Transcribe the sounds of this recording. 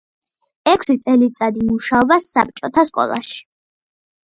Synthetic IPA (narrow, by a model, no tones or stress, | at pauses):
ɛkʰsit̪sʼɛlit̪sʼad̪imuʃaɔbasːap̚ʰt͡ʃʼɔt̪ʰaskʼɔ̰lˠa̰ʃi̥